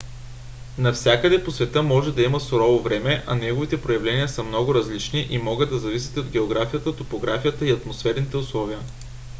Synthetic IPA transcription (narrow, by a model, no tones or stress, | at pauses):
nɐfsʲakəd̪ɛposvɛt̪əmɔʒɛd̪ɐiməsʊɾɔvovɾɛmɛʔɐ̰nɛɡovit̪ɛpɾojɐvlɛniəsəmnɔɡʊɾɐzlit͡ʃniʔimɔɡəd̪̚d̪ɐzɐvisʲi̥t̪ɛod̪ɡʲɛoɡɾafijət̪ət̪opoɡɾafijət̪əiɐt̪mosfɛɾnit̪ɛʊslˠɔviə